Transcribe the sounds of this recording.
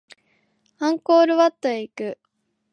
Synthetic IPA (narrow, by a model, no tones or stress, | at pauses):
ãŋko̞ːɾɯ̟βat̪ːoeikɯ̟